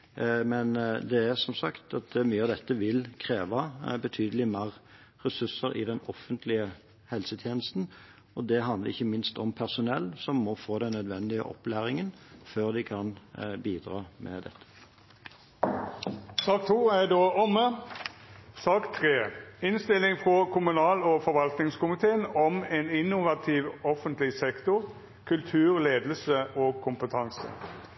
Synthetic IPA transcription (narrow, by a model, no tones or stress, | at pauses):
mɛnd̪ɛæʁsɔmsɑkt̪ɑt̪myːəɑʋd̪ɛt̪ːəʋɪlkʰʁeːʋɑbət̪ʰyːd̪əlɪmæːʁ | ʁɛsʉsəɾɪ̰d̪ɛnɔfːənt̪ʰlɪə | hɛlsət̪ʰjeːnəst̪n̩ | ɔd̪ɛɦɑnd̪ləʁɪçːəmɪnst̪ɔmpʰæʁsʊnɛlːsɔmːɔfoːd̪ɛnːœd̪ʋɛnd̪ɪə̰ʔɔ̰plæːʁɪŋən | føːʁd̪ɪkʰɑnbiːd̪ʁɑːmʔɛ̰d̪ɛ̰t̪ʰːə̥ | sɑːk̚t̪ʰuːæd̪oːɔmə | sɑːkt̪ʰɾeːɪnst̪ɪlɪŋfɾɔkʰʊmʉnɑːlɔfɔɾʋɑlt̪nɪŋskʊmɪt̪ʰeːənɔmɛnɪnʊʋɑt̪ʰiːʋɔfənt̪lɪsɛkt̪ʊɾ | kʰʉlt̪ʰʉːʁleːd̪əlsəʔɔːɡ̚kʰʊmpət̪ʰɑŋsə̰